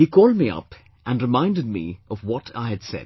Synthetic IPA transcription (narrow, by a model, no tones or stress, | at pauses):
hikʰɔlˠd̚miʌ̰p | ʔɨ̃nɹɨmãɪ̃ndɨd̚mḭʌvwʌɾʰa̰ɪɨd̥sɛ̰d̥